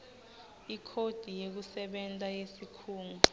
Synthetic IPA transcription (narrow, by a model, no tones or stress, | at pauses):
ikʰod̥ʱijek̬usɛɓɛntʼajesikʰuːŋu